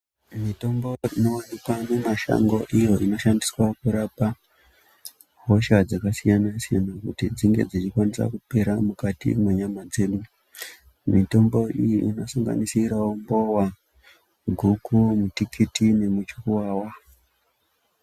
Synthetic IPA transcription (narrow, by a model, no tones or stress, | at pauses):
mito̞mbo̞ino̞wanikwanemaʃa̰ŋɡo̞ʔijo̞ʔino̞ʃandiswakuɾapa | ɦo̞ʃad͡zakasijanasija̰nakutid͡ziŋɡe̞d͡zit͡ʃikwanisa̰kupe̞ɾamukatḭmweɲamad͡ze̞ɗu | mito̞mbo̞ʔijiʔino̞saŋɡa̰nisiɾaombo̞wa | ɡʱukʰumutikʰitine̞mut͡ʃikuwawa